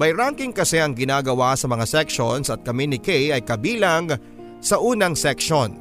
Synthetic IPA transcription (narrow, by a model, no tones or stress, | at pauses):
bɐjɾaŋkɪŋkɐsɛʔɐŋɡɪnaːɡɐwasɐmɐŋasɛkʃonsɐt̪̚kɐmɛnɪkejɐjkɐbiːlɐŋ | sɐʔuːnɐŋsɛkʃon